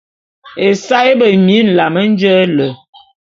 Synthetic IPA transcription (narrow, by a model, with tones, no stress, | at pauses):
e˨sa˦i˦bə˨mi˨˦n̩˨la˨mə˦n̩˦d͡ʒə˦lə˨